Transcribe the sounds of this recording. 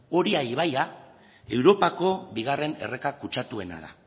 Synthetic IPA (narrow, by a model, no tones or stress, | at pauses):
o̞ɾiaiβaja | e̞wɾo̞pako̞βiɣ̞are̞ne̞̰re̞kakut͡ʃat̪ue̞na̰ða̰